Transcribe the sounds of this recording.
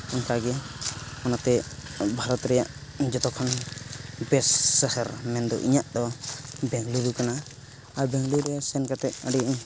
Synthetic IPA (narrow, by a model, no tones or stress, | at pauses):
ɔnkaɡɛ | ɔnat̪ɛbʱaɾɔt̪ɾɛjaʔ | d͡ʒɔt̪ɔkʰɔn | bɛsːɛhɛɾmɛnd̪ɔ̰ʔḭɲaʔd̪ɔbɛŋluɾukana | aɾbɛŋluɾɛsɛnkat̪ɛt̪̚aɖiɲ